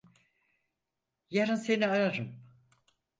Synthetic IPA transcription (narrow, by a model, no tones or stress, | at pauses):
jaɾɯnse̞niaɾaɾɯm